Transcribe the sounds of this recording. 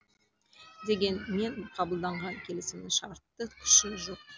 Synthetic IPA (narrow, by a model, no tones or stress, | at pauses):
d̪e̞ɡʲe̞nme̞ɴqʰɑbəlˠd̪ɑɴʁɑŋkʲʰe̞lɪsɪmd̪ɪʃɑɾɾət̪ːəkʲʰʏ̥ʃɪʊzəp̚